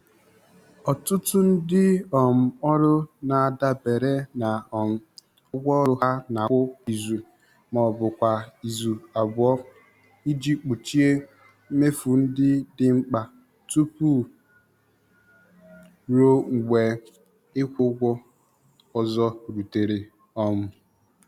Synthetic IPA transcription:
ɔ˨tʊ˦tʊ˦n̩˦dɪ˦ɔ˨m̩˨ɔ˦ɾʊ˦na˨a˨da˦be˨ɾe˦na˨˦ | ɡʷɔ˦ɾʊ˦ɦa˦na˨˦ʊ˦i˨zu˨ | mɔ˨bʊ˨kʷa˨i˨zu˨a˨bʊ˨ɔ˦ | i˦d͡ʒi˦k͡pu˨t͡ʃi˦e˦ | me˦fu˨n̩˦dɪ˦dɪ˦ŋ͡m̩˦k͡pa˨ | tu˦pu˦ | ɾo˦ŋ̩˨ɡ͡bʷe˨ | ɪ˦kʷʊ˦ɡʷʊ˦ | ɔ˦zɔ˦ɾu˨te˨ɾe˨ | ɔ˨m̩˦

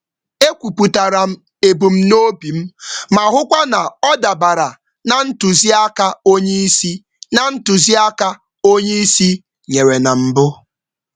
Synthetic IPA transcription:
e˦kʷu˨pu˨ta˨ɾa˨m̩˦ | e˨bu˨m̩˦no˦bi˨m̩˦ma˨ɦʊ˦kʷa˦na˨ɔ˦da˨ba˨ɾa˨ | na˨n̩˦tu˨zi˦a˦ka˦o˦ɲe˦i˦si˦ | na˨n̩˦tu˨zi˦a˦ka˦ | o˦ɲe˦i˦si˦ | ɲe˨ɾe˨na˨m̩˦bʊ˦

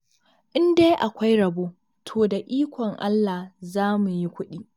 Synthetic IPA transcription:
ʔɪ˦nde˦jʔa˨kʷa˦jɾɐ˨boː˦ | tʰoː˨da˨ʔiː˦kʷɔ˨ŋʔa̰˦lːa˨hzaː˦mu˨ji˦kʷʊ˦ɗiː˦

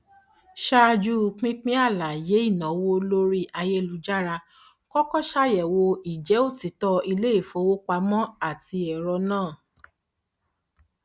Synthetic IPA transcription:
ʃa˦˧d͡ʒu˦˧k͡pĩ˦k͡pĩ˦a˦˨la˨je˨˦i˦˨nã˨˦wo˧lo˦ɾi˦ʔa˧je˦˨lu˨˦d͡ʒa˦ɾa˧ | kɔ˦kɔ˦ʃa˦jɛ˨wo˧i˨d͡ʒɛ˨˦o˦˨ti˨˦tɔ˧i˧le˦i˦˨fo˧˦wo˦k͡pa˧mɔ̃˦a˦˨ti˧˦ɛ˨ɾɔ˧nãː˦˨

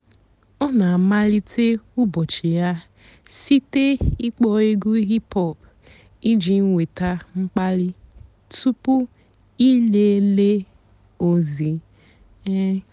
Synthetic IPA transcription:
ɔ˦na˨ma˦li˦tʰe˦u˦bɔ˨t͡ʃi˨ja˦ | si˦te˦i˦k͡pɔ˦e˦ɡu˦ɦi˦pɔ˦˨p | i˦d͡ʒi˨ŋ̩˦wʷe˨ta˦ŋ͡m̩˦k͡pa˦li˦ | tu˦pu˦ | i˦le˦le˦ | o˦zi˨ | e˦

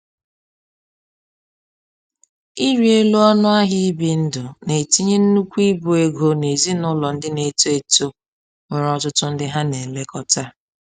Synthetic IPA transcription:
i˦ɾi˨e˦lo˦ɔ˦nʊ˦a˦ɦi˦bi˨n̩˦dʊ˨ne˨ti˦ɲe˦n̩˦nu˦kʷi˦bo˨e˦ɡo˦ne˨zi˦nʊ˦lɔ˨n̩˦dɪ˦ne˨to˦e˨to˦ | ŋe˨ɾɔ˦tʊ˦tʊ˦n̩˦dɪ˦ɦa˦ne˨le˦kɔ˦ta˦

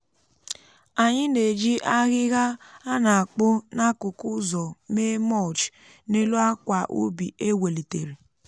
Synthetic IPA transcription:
a˨ɲɪ˦ne˨d͡ʒi˦ʔa˦ɣɪ˦ɣa˦a˦na˨a˨k͡pʊ˦na˦kʊ˨kʊ˦zɔ˨me˦mɔ˦˨t͡ʃ | ne˦lu˦a˦kʷa˨ʔo̰˦bi˨e˦we˨li˨te˨ɾe˨

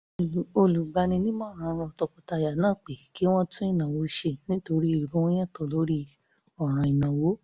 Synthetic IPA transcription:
o˧lu˨ɡ͡ba˧nĩ˧nĩ˦mãː˦˨ɾ̃ã˨˦ɾɔ˧ɔ˧tɔ˧kɔ˧ta˧˨ja˨nãː˦˨k͡pe˨ki˨˦w̃ɔ̃˦tũ˦i˦˨nã˨wo˨˦ʃe˧nĩ˦to˧ɾi˦i˦˨ɾũ˦wɔ̃˦j̃ɛ̃˦˨tɔ˨lo˨˦ɾi˦ | ɔ˨ɾ̃ã˨i˨nã˨wo˨˦

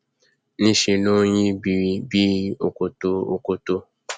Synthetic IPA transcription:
nĩ˦ʃe˧nõ˦jĩ˦bi˨bi˦o̰˨ko˨to˧o̰˨ko˨to˧

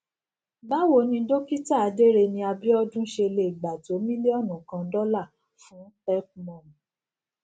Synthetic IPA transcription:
ba˦wo˨nĩ˧do˦ki˦ta˦˨a˨˧de˦ɾe˧nĩ˧a˧bi˦ɔ˦dũ˦ʃe˧le˧i˨ɡ͡ba˨to˨˦mĩ˦li˦ɔ˦˨nũ˨kã˧dɔ˦la˦˨ | fũ˨˦tɛ˦k̚mɔ̃˨ñ˨

